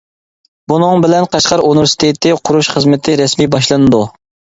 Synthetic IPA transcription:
bunɨŋbɪlɛnqʰɑʃqɑɾunɪvɪɾsi̥t̪ʰet̪ʰːɪqʰʊɾuʃχəzmɪt̪ʰɪɾɛsmibɑʃ̬lˠɨnɨd̪u

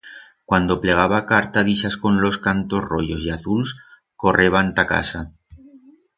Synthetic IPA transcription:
kwand̪o̞pleɣ̞aβakaɾt̪aðiʃasko̞nlo̞skant̪ozrojo̞siaθuls | ko̞rʔeβ̞ant̪aka̰sa

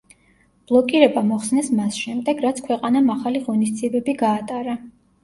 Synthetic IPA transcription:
b̥lˠɔkʼiɾɛbamɔχsnɛsmasʃɛmd̪ɛɡɾat̪sʰkʰwɛqʼanamaχaliʁɔnisd̪ziɛbɛbiɡaːt̪ʼaɾa

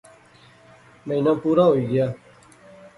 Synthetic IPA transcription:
meɪnãːpuːɾaːɦoːiːɡɪjaː

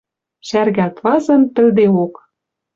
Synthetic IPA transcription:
ɕærɣæt̪vɑzɤ̆nt̪ɘ̆ld̪eok

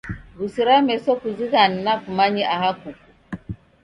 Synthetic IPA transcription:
ɣusiɾamɛsɔkuziɣan̩nakumaɲiʔaɦaku

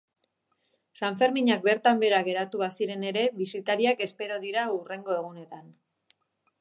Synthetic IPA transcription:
saɱfe̞ɾmiɲak̚be̞ɾt̪ambe̞ɾaɣe̞ɾat̪uasiɾe̞ne̞ɾe̞βisit̪aɾiake̞spe̞ɾo̞ðiɾaure̞ŋɡo̞e̞ɣ̞une̞t̪an

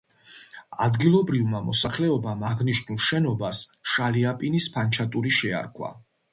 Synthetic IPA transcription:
a̰d̪ɡilˠɔbɾivmamɔsaχlɛɔbamaʁniʃnulˠʃɛnɔbasʃaliapʼinispʰant͡ʃʰat̪ʼuɾiʃɛa̰ɾkʰwa̰

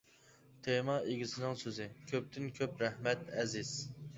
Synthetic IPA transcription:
t̪ʰemɑʔeɡʲisɪnɪŋsøzɪkʲʰøp̚t̪ʰɪnkʲʰøpɾɛhmɛt̪ɛziz̥

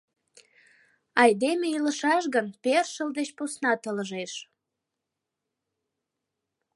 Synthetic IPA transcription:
ɑjd̪emeiləʃɑʃ̬ɣənperʃəld̪et͡ɕpusnɑt̪ələʒeʃ

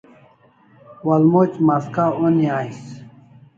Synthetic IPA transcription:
wɐlmot͡ɕmaskaoniaːis

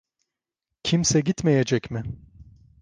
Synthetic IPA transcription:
cʰimsɛɟit̪mejed͡ʒɛcmɪ

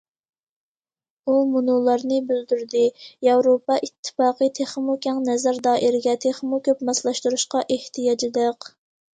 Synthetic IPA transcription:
umunulˠɑɾnɨbyld̪yɾd̪ɪjɑwɾopɑʔit̪ʰːɨ̥fɑːqət̪ʰeχmukʲɛŋnɛzæɾd̪ɑːʔiɾɪɡʲɛt̪ʰeχmukʲøpmɑslˠɑʃt̪uɾuʃqɑʔeht̪ʰijɑd͡ʒɨd̪əq

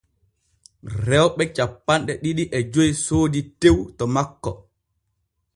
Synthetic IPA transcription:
ɾɛwɓɛt͡ʃapːanɗɛɗiɗiʔɛd͡ʒojsoːditewtɔmakːɔ

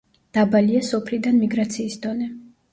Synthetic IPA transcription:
d̪̥abaliasɔpʰlid̪anmiɡɾat̪sʰiːsd̪ɔnɛ

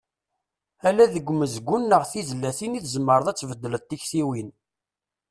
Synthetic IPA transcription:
ælæðəɡʷːməzɡʷːunːəʁθizəlːæθiniθzəmːəɾˤəðˤæt͡sːvəd̪ːələt̪ːiçθiwin

